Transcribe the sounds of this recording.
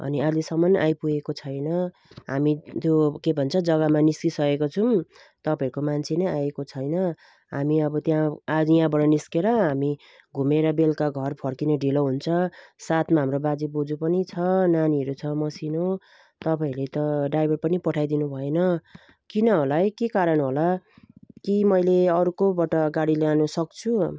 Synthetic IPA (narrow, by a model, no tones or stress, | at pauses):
ʌ̰nialisʌmːʌnʔajpujekot͡sʰʌjnʌ | ɦa̰mit̪jokebʱʌnt͡sʰʌd͡zʌɡʌmaniskisʌkekot͡sʰum | t̪ʌpaeɾukomant͡sʰenʌjajekot͡sʰʌjnʌ | ɦa̰miʌbʌt̪jãad͡zjɦãbʌɽʌniskeɾʌɦami | ɡʱumeɾʌbelkaɡʱʌrpʰʌrkinʌɖiloɦunt͡sʰʌsat̪maɦamɾobad͡zibod͡zupʌnit͡sʰʌnaniʌɾut͡sʰʌmʌsino | t̪ʌpailet̪ʌɖajbʱʌrpʌnipʌʈʰajd̪inubʱʌenʌ | kinʌɦolajkekaɾʌnɦola | kimʌjleʌɾukobʌʈʌɡaɽileanusʌk̚t͡sʰu